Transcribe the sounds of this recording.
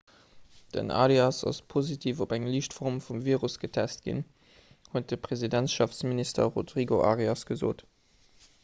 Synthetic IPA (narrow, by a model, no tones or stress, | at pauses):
d̥ə̰nʔa̰ːliɑsɑ̰spʰozitʰiːvobæŋliʃtfɔʁmfumviːʁusɡ̥ətʰæst̚ɡ̥ḭn | huət̚d̥əpʁ̥ezidæntʃɑfsministɐ̰ʁodʁiɡoʔaːʁiɑsɡ̥əzo̰ːt